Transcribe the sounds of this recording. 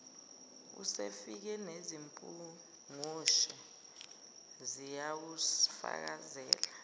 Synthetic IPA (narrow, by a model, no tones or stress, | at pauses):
ṵsḛfik̬ɛnezimpʼu | ŋuʃɛ | zijawusfa̰k̬azɛ̰ːla